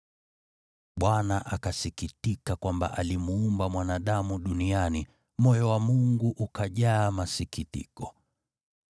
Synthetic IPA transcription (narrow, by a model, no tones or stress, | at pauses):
ɓwanaʔakasikitikakwamba̰ʔalimuumbamwanaɗamuɗuniani | mɔjɔwamuŋɡuʔukaʄaːmasikitḭkɔ